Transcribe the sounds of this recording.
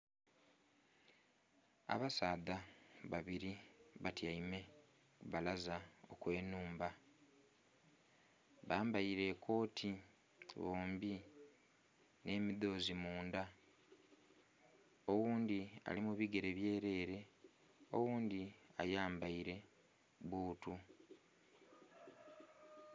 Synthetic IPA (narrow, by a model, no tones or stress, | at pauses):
a̰βasaːðaβaβiɾiβatjaime̞ | βalazao̞̰kwe̞ːnuːmba | βaːmbaiɾe̞kʰo̞ːtʰi | βoːmbi | ne̞miðo̞ːzimuːnda | o̞wuːnd̪ia̰limuβiɡe̞ɾe̞βje̞ːɾe̞ːɾe̞ | o̞̰wuːnd̪ia̰jaːmbaiɾe̞ | βuːtu